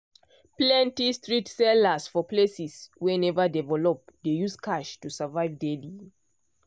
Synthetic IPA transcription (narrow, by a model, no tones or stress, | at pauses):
plɛ̃ntistɹitsɛləsfɔplesiswɛ̃nɛvədɛvɛlɔp̚dejuskʰaʃtusavaɪvdeli